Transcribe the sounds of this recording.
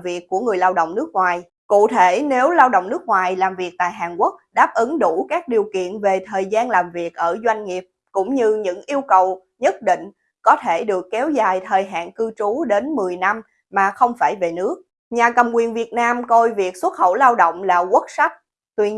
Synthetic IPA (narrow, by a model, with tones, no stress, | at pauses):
vi˨˩əkːu˧˩əŋɨ˨˩əjlaː˧wɗə̰˧˨ŋ͡mnɨ˦˥ək̚ŋwaː˨˩j | kṵ˧˨t̪ʰe˧˩ne˨˦wlaː˧wɗo̰˧˨wŋ͡mnɨ˦˥ək̚ŋwaː˨˩jlaː˨˩mvi˨˩ək̚t̪a̰ː˧˨jɦaː˨˩nkwk̚ɗaː˦˥p̚ʔɨ˨˦ŋɗu˧˩kaː˦˥k̚ɗi˨˩əwkḭ˧˨ənve˨˩t̪ʰəː˨˩jzaː˧nlaː˨˩mvi˨˩ək̚ʔəː˧˩zwa˧jŋ̟ŋi˨˩əp̚kʊ̰˧˥ŋ͡mɲɨ˧ɲɨ̰˧˥ŋʔi˧əwkə˨˩w | ɲə˦˥t̚ɗḭ̈˧˨ŋ̟ | kɔ˨˦t̪ʰe˧˩ɗɨ˨˩əkːɛ˨˦wzaː˨˩jt̪ʰəː˨˩jɦa̰ː˧˨nkɨ˧t͡ɕu˨˦ɗe˨˦nmɨ˨˩əjna˧m | maː˨˩xə˧wŋ͡mfaː˧˩jve˨˩nɨ˦˥ək̚ | ɲaː˨˩kə˨˩mkwi˨˩ənvi˨˩ət̚naː˧mko˧jvi˨˩ək̚swə˦˥t̚xə̰˧˩wlaː˧wɗo̰˧˨wŋ͡mlaː˨˩kwə˦˥t̚sa˦˥k̚ | t̪wi˧